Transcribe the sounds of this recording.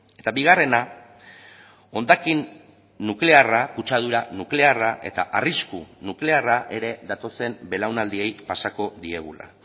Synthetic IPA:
e̞t̪abiɣ̞are̞na | o̞nd̪akinː | ukle̞arakut͡ʃað̞uɾanukle̞araʔe̞̰t̪a̰ʔariskunukle̞araʔe̞ɾe̞ðat̪o̞se̞mbe̞lawnald̪ie̞jpasako̞ðie̞ɣ̞ula̰

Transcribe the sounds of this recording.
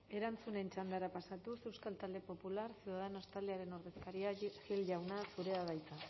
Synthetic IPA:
e̞ɾant͡sune̞nt͡ʃand̪aɾapasat̪usewskalt̪ald̪e̞po̞pulaɾsjuðaðenast̪ald̪eaɾe̞no̞ɾðe̞skaɾiaxilʝawnasuɾe̞aβajt͡s̪a

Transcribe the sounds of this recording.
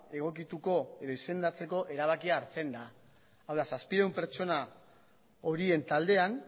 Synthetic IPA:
e̞ɣ̞o̞kit̪uko̞e̞ðo̞ise̞nd̪at͡se̞ko̞ʔe̞ɾaβ̞akiaːɾt͡se̞nd̪a | awðasaspiɾewmpe̞ɾt͡ʃo̞na | o̞ɾie̞nt̪ald̪e̞an

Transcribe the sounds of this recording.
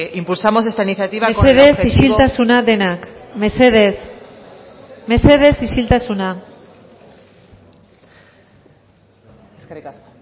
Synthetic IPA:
impulsamos̬est̪ainiθjat̪iβaseðesiʃilt̪asunaðe̞nakmeseðes | me̞seð̞e̞siʃilt̪asuna

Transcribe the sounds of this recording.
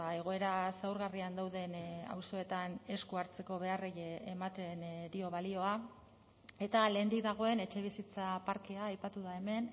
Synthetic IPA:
ae̞ɣ̞o̞e̞ɾasawɾɣariand̪awðe̞na̰wso̞e̞t̪ane̞skuaɾt͡se̞ko̞βe̞arejemat̪e̞nd̪io̞βalio̞a | e̞t̪ale̞ːnd̪ikðaɣ̞o̞e̞ne̞t͡ʃe̞β̞isit͡sapaɾke̞aːjpat̪uðae̞me̞n

